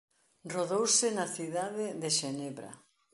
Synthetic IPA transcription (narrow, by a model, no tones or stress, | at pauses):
roðowsɪnaθiðaðeðeʃeneβɾa̰